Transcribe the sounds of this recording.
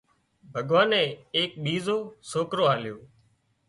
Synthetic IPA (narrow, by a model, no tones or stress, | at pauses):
bʱəɠʋaːnɛ̃ːeːk̚ɓiːzoːsoːkɾoːɦaːljoː